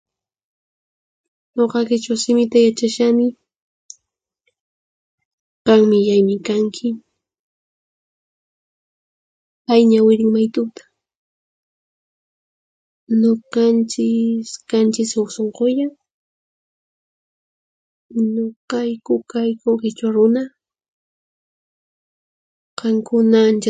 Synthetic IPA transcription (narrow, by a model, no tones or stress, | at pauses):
noqɑkɪt͡ʃawsɪmɪt̪ajat͡ʃaʃanɪ | qɑŋmɪjajmɪkaŋkʰɪ | pajɲawɪɾɪŋmajt̪ʊt̪ḁ | noqɑnt͡ʃɪskant͡ʃɪsawsoɴqoja | ɲoqɑjkʊkajkokɪt͡ʃwaɾʊna | qɑŋkʊnaːnt͡ʃa